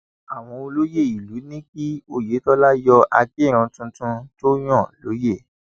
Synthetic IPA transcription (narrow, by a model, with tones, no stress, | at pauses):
a˨w̃ɔ̃˧o˧lo˦je˦˨i˨lu˨˦nĩ˦ki˦o˦˨je˨˦tɔ˦la˦jɔ˧ʔa˧ke˦˨ɾ̃ɔ̃˧tũ˧tũ˧to˦j̃ɔ̃˦˨lo˨˦je˦˨